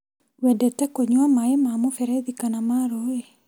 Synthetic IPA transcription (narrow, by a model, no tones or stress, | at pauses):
wɛdɛtɛkoɲwamaemamofɛɾɛðikanamaɾoe